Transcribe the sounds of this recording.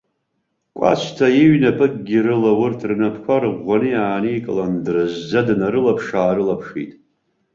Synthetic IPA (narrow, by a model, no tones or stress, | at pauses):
kʷʼa̰t͡ʃʷʰtʰajiɥnapʰɨk̚ʼɡʲiɾɨlawʊrtʰrnapʰkʷʰarʁʷanɨjaːnijkʼɨlandrɨzd͡zadnaɾɨlapʰʂaːɾɨlapʰʂḭtʼ